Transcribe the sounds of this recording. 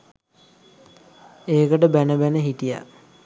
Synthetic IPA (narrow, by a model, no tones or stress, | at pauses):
eːkəʈəbænəbænəɦiʈija̰